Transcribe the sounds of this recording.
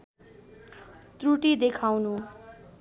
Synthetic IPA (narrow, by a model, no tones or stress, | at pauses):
t̪ruʈid̪ekʰawnu